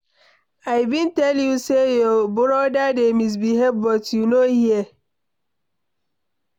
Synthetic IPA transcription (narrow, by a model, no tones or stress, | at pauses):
aɪbĩntɛljusejɔbʊɾɔdademis̬biɦɛbbɔtjunohie